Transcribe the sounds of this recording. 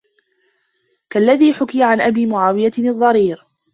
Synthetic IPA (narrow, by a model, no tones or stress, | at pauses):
kalːaðiːħʊkɪjaʕanʔabiːmʊʕaːwɪjaɨðˤːɑɾiːɾ